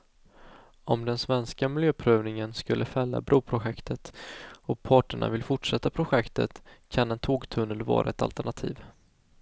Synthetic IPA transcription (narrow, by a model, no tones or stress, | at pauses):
ɔmd̪ɛnsvɛnskamɪljøːpʰɾøːvnɪŋənskɵlːəfɛlːa̰bɾʔuːpʰɾʊɧɛkt̪ət̪ɔpʰɑːʈəɳa̰vɪlfʊʈʂɛt̪ːapʰɾʊɧɛkt̪ə̰t̪kʰanɛnt̪ʰoːɡt̪ʰɵnːəlvɑ̰ːɾʔaɛt̪a̰lt̪æɳat̪ʰḭːv